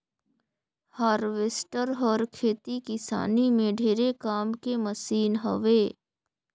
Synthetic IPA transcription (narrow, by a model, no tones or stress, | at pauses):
haːɾʋesʈəɾɦɔːɾkʰeːt̪ikɪsa̰ːnimẽɖʱeːɾekaːmkeməsiːnɦə̰ʋeː